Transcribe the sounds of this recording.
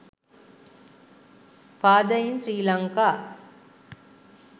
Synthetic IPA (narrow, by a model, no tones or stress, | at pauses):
paːd̪ɐjinsɾiːlɐŋkaː